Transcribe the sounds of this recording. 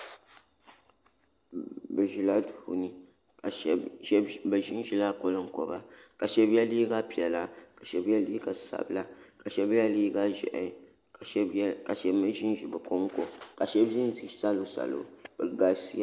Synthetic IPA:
bɛ˨ʒi˦la˦tu˨hṵ˨ni˦˨˦ | bɛ˨ʒi˦nʒi˦la˦ko˦lɨ˦ŋ̩˦kɔ̰˨ba˦ka˨ʃɛ˦bjɛ˦liː˦ɡa˦pi˨ɛ˨la˦ka˨ʃɛ˨˦bjɛ˦liː˦ɡa˨sa̰˨bɨ˦la˦ | ka˨ʃɛ˦bɛ˦liː˦ɡa˦ʒɛ̰˨ʔɛ̰˨˦ | ka˨ʃɛ˨bmɨ˦ʒi˦nʒi˨bɛ˨ko˦ŋ˦ko˨ka˨ʃɛ˦bʒi˦n˦˨zi˦sa˦lo˨˦sa̰˨lo̰˨b̥ɛ˨ɡa˨si˦

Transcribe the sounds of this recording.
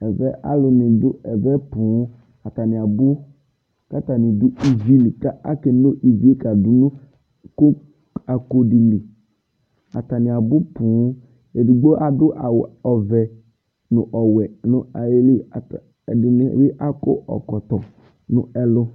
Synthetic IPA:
ɛ˨vɛ˦ʔa̰˦lɪ˨nɪ̃˨dʊ˦ɛ˨vɛ˦pũ˨˦ | a˨t̪a˨nɪ̃˨a˨bʊ˦ | ka˦t̪a˨nɪ̃˨dʊ˦i˦vi˦li˨ka˦a̰˦ke˨no˦ʔi˨vi˦e˦ka˨dʊ˨nũ˦ | ko˦ | a˨ko˦di˨li˨ | a̰˨t̪a˨nɪ̃˨a˨bʊ˦pũ˨˦ | e˨di˨ɡ͡bo˦ʔa˨dʊ˦ʔa˨wɔ˨vɛ˨ | nʊ̃˨ʔɔ˨wɛ˨nʊ̃˨a˨je˦li˦a˨t | dɪ˨nɪ̰˨je˦ʔa˦ko̰˦ʔɔ̰˨kɔ˨t̪ɔ˨ | nʊ̰̃˨ɛ˨lʊ˦

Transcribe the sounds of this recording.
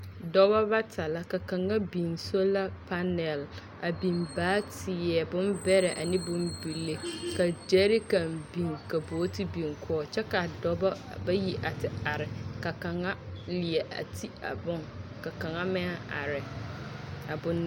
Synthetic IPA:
dɔ˦ba˦ba˦tʰa˨la˦ka˨ka˨ŋa˦bi˨nso˦la˦pa˦nɛ˨l | a˨bi˨nbaː˦tʰɪ˨jɛ˨bʊ˦mbɛ˦ɾɛ˨ʔa̰˨nɪ˦bʊ˦mbi˨lːe˦ka˨d͡ʒɛ˦ɾi˦ka˨mbi˨ŋka˨boː˨˦ti˦bi˨ŋkʰɔː˦t͡ʃɛ˦ka˨dɔ˦ba˦ | ba˦ji˦ʔa˨tɪ˨a˨ɾɪ˨ka˨ka˨ŋa˦lɪ˨ɛ˨ʔa̰˨tʰi˦a̰˨bʊ˦ŋka˨ka˨ŋa˦mɪ˦a˦a˨ɾɪ˨ | a˨bʊ˦n˦

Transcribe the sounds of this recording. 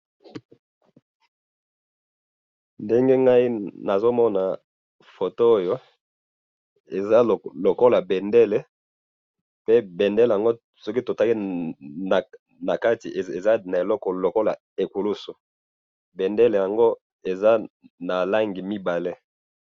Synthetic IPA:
nde˦ŋɡe˦ŋɡa˦i˦na˨zo˦mɔ˦na˨ | fo˨to˦o˦jo˦ | e˨za˦˨lo˨ko˦la˨bɛ˨ndɛ˦le˦ | pe˦be˨ndɛ˦le˨a˨ŋɡo˦ | sɔ˦ki˦to˨ta˦ki˦˨ | na˨ka˦ti˨ʔe˨za˦na˨e˨lɔ˦kɔ˨lo˨ko˦la˨ | e˨ku˨lu˦su˨ | be˨nde˦le˨ja˨ŋɡo˦ | e˨za˦ | na˨la˦ŋɡi˨mi˦ba˨le˦

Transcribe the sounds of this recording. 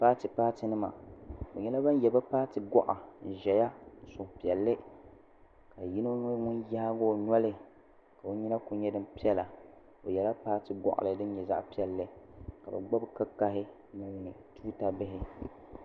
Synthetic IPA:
pa˦tɨ˨paː˦tɪ˨nɨ˦ma̰˨o˨ɲɛ˦la˦ba˦n˦jɛ˨ba˦paː˦tɨ˨ɡɔ˦ʔa˨ʒɛ˨ja˦˨sʊ˨hpi˨ɛ˨lːɨ˦ | ka˨ji˦no˦ŋʊ˦nja˦ɡo˦˨ɲɔ˦lɪ˨ | ka˨o˦ɲi˦na˦ku˦ɲɛ˦dɨ˦mpi˦ɛ˦la˨ | o˨jɛ˨la˦paː˦tɨ˨ɡɔ̰˦˨ʔa̰˨lɨ˨dɨ˦n˦ɲɛ˨za̰˦ʔpi˦ɛ˨lːɨ˦ka˨ba̰˨ɡ͡ba˦bka˦ka˦ɦɪ˦ | na˨ji˨nɨ˨tuː˦ta˦bɪ˦ɦɪ˦

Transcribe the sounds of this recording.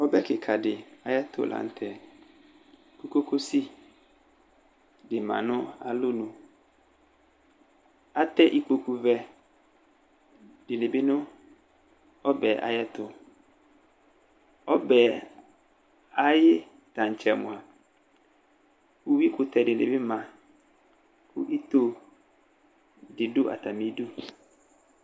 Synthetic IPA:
ɔ˦bɛ˦kɪ˨kʰa˨dɪ˨a˨jɛ˦t̪ʰʊ̰˨lʔa̰˨n̩˨tʰɛ˨ | ku˦ko˦kʰo˦si˦ | dɪ˨mã̰˨nʊ̃˦a̰˨lʊ˦nũ˨ | a˦t̪ɛ˦ʔi˦k͡po˨ku˨vɛ˦ | dɪ˨lɪ˨bɪ˦nʊ̃˦ | ɔ˦bɛ˨ʔa̰˨jɛ˦t̪ʊ˨ | ɔ˦bɛ˨ | a˨jɪ˦ | t̪ã˨ɲ˨t͡ʃɛ˨mʊ̰̃˨a˨ | ku˦wi˦kʊ˨t̪ɛ˨dɪ˨lɪ̰˨bɪ˦mã˨ | kʰu˦ʔi˦t̪o˦ | dɪ˨dʊ˦ʔa̰˨t̪a˨mĩ˨˦du˦

